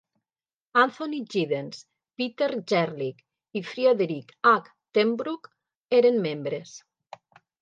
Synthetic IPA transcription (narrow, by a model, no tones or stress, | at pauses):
ant̪oniʒiðens | pit̪eɾd͡ʒɛɾlik | ifɾiaðeɾikak | t̪embɾuk | eɾenmembɾes